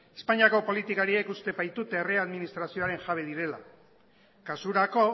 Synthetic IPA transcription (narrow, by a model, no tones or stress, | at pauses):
e̞spaɲiako̞po̞lit̪ikaɾie̞kust̪e̞βajt̪ut̪ereaðminist̪ɾasio̞aɾe̞ŋʝaβ̞eð̞iɾe̞la | kasuɾako̞